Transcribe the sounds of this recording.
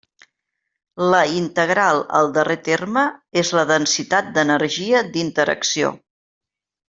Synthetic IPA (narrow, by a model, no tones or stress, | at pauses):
ləint̪əɣ̞ɾalˠə̰lˠd̪əret̪erməezləðənsit̪at̪̚d̪ənəɾʒiəd̪int̪əɾə̰ksio̰